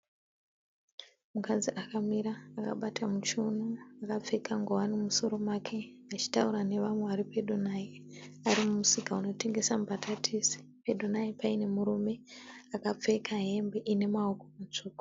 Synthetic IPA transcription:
mukad͡ziʔakamiɾaːka̰ɓatamut͡ʃunuakap͡fe̞kʰaŋɡowanimuso̞ɾo̞mwakʰe̞at͡ʃi̥tauɾane̞ʋamweʋaɾipeɗunai | aɾimumusikauno̞te̞ŋɡe̞sambatʰatʰisi̥ | peɗonaipaine̞muɾume̞akap͡fe̞kʰaɦe̞mbe̞ʔine̞maoko̞mut͡ʂuːko̥

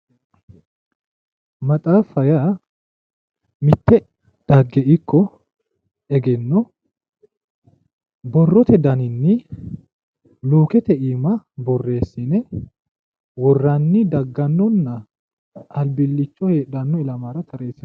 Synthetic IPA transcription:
mɐtʼaːfɐja | mɪt̪ːɛ | d̪̥ɐɡːɛʔɪkːɔ | ɛɡɛnːɔ | bɔrːɔt̪ɛd̪ɐnɪnːɪ | luːkɛt̪ɛʔiːmɐbɔrːe̞ːsːɪnɛ | wɔrːɐnːɪd̪ɐɡːɐnːɔnːɐ | ʔɐlbɪlːɪt͡ʃːɔheːᶑɐnːɔɪlɐmaːɾɐt̪ʰɐɾeːsɐ

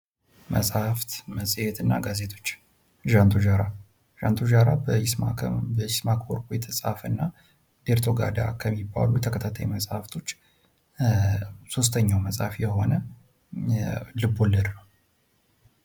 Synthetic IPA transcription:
mə̰sʼhaft̪məsʼjet̪ɨnːa̰ɡaze̞t̪ʰo̞t͡ʃː | ʒant̪ʰoʒaɾa | ʒ̥ant̪ʰoʒaɾa | bəjsmakoɾkʼjɛt̪ʰəsʼa̰fɨnːa | d̪̥eɾt̪ʰo̞ɡa̰d̪a̰kʰəmːibːa̰lujɛt̪ʰəkʰət̪ʰat̪ʰajuməsʼhaft̪ʰo̞t͡ʃː | so̞s̬t̪ʰəɲːawməsʼhafjɛho̞nə | lɨbːolːəd̪nəw

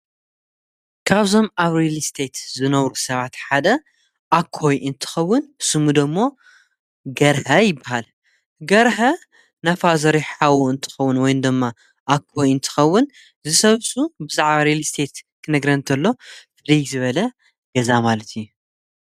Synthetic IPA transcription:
kʰaβzo̞maβɾelst̪ʰet̪zɨnɐwɾusɐβat̪ħad̪ɐ | ʔakʰːojʔɨnt̪ʰɨ̥xɐwːʊnsɨmud̪ɨmːo̞ | ɡɐɾhɐjɪbːahal | ɡɐɾhɐ | nafazɐɾiħawuɨnt̪ʰɨ̥xɐwːʊnwɔjnd̪ɨmːa | ʔakʰːojɨnt̪ʰɨ̥xɐwːʊn | zɨsɐβsubɨzaʕβaɾelst̪ʰet̪kʰɨnɨɡɾɐnt̪ʰɐlːo̞fɨɾijzɨβɐlɐ | ɡ̥ɐzamalɐt̪ʰiju

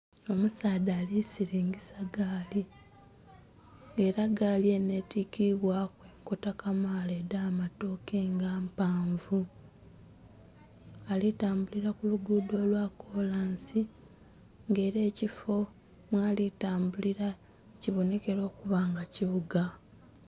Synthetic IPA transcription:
o̞musaːdaːlisiɾiːŋɡisaɡaːli | ŋɡe̞ːɾaɡaːlie̞ne̞tikiβwakweːko̞takamaːledaːmato̞ːke̞ːŋɡaːmpaːɱvu | alitaːmbuliɾakuluɡudo̞ːlwakʰo̞laːnsi | ŋɡe̞ːɾe̞ːcifo̞ | mwaːlitaːmbuliɾa | ciβo̞ne̞ke̞ɾo̞ːkuβaːŋɡaciβuɡa

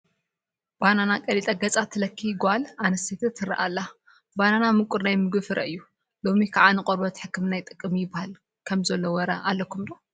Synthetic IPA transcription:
b̥ananakʼɐlit̪ʼɐɡɐt͡sʼat̪ʰɨlɐkʰːiɡʷalanɐset̪ʰɐt̪ʰːɨɾɐ̰ʔalːa | bananamɨkʷʼuɾnajmɨɡɨfɨɾʔɐ̰ʔɨjːu | lo̞mikʰaʕanɨqʼoɾbɐt̪ħɨkːɨmnajt̪ʼɨkʼːɨmjɪbahal | kʰɐmzɐlːowɔɾɐ̰ʔalːɐkʰːumd̪o

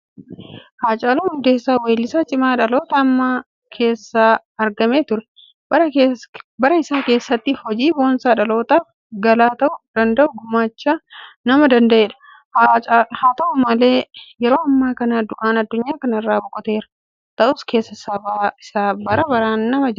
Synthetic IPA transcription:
haːt͡ʃʼaːluːhʊnd̪eːsːaːweːlːɪsaːt͡ʃʼɪmaːᶑɐlo̞ːt̪ɐːmːaː | kʰe̞ːsːaː | ɐɾɡɐme̞ːt̪ʊɾɛ | bɐɾɐbɐɾɐɪsaːŋke̞ːsːɐt̪ːɪhɔd͡ʒiːbo̞ːnsaːᶑɐlo̞ːt̪aːf | ɡɐlaːt̪ɐʔʊd̪̥ɐnd̪ɐʔʊɡʊmːaːt͡ʃːaːnɐmɐd̪ɐnd̪ɐʔeːᶑɐ̥ | haːt̪ɐʔʊmɐle̞ːjɛɾo̞ːɐmːaːkɐnaːd̪ʊʔaːnɐd̪ːʊɲːaːkɐnɐɪrːaːbʊkʼɔt̪e̞ːɾɐ̥ | t̪ɐʔʊske̞ːsːɐɪsaːbaɪsaːbɐɾɐbɐɾaːnːɐmɐd͡ʒɪ

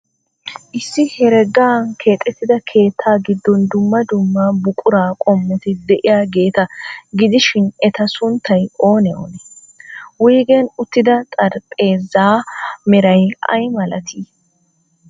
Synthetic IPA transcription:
ʔɪsːɪhɛɾɛɡːaːnkʰe̞ːt̪ʼːɛt̪ːɪd̪ɐkʰe̞ːt̪ʰːaːɡɪd̪ːɔnd̪ʊmːɐd̪ʊmːaːbʊkʼʊɾaːkʼɔmːɛt̪ɪd̪ɛʔɪjaːɡe̞ːt̪ɐɡɪd̪ɪʃɪnɛt̪ɐsʊnt̪ːɐjo̞ːnɛo̰ːnɛ | wijɡɛnʊt̪ːɪd̪ɐt̪ʼɐɾpʼe̞ːzːaːmɛɾɐjɐ̰jmɐlɐt̪ʰi

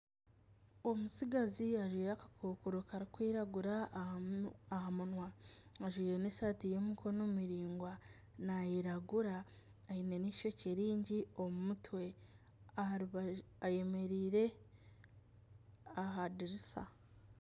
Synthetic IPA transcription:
o̞musiɡaziaʒwiːɾakḁkʰukuɾokaɾikwiːɾaɡuɾa | ahamunwaaʒwiːɾenesatijo̞mikʰo̞nomiɾiːŋɡwa | najiɾaɡuɾaː | ine̞nicʃo̞ceɾiːɲɟio̞mumutwe̞ | aβaje̞me̞ɾiːɾe̞ | aɦadiɾisa̰

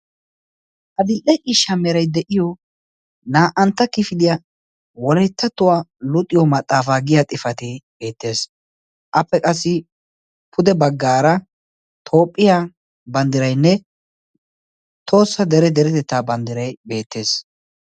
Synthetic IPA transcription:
ʔɐd̪ɪlʔɛʔɪʃːɐmɛɾɐjd̪ɛʔɪjɔ | naːʔɐnt̪ːɐkɪfɪd̪ɪjɐ | wɔlɛjt̪ːɐt̪ːʊwalʊt̪ʼːɪjɔmɐt̪ʼːaːfaːɡɪjat̪ʼɪfɐt̪eb̥e̞ːt̪ːe̞ːs | ʔɐpːɛkʼɐsːɪ | pʰʊd̪ɛbɐɡːaːɾɐ | t̪ʰo̞ːpʼːɪjaː | bɐnd̪ɪɾɐjnːɛ | t̪ʰo̞ːsːɐd̪ɛɾɛd̪ɛɾɛt̪ɛt̪ːaːbɐnd̪ɪɾɐjbe̞ːt̪ːe̞ːs

